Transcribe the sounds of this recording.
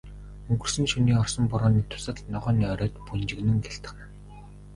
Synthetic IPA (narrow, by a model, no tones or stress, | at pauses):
ɵŋɡɵ̆r̥sɘ̆ŋʃuniːɔrsɞ̆mpɔɾɔːniːt̪ʰʊ̥sə̆ɮnɔʁœːniːœɾʲœːt̪punt͡ɕɪ̆ɣnɘ̆ŋɡeɬt̪ə̆χnă